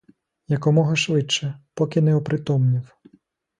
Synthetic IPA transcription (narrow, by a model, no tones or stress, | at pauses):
jɐkɔmɔɦɐʃʋɪt͡ʃːɛpɔkʲɪnɛɔpɾɪt̪ɔmnʲiw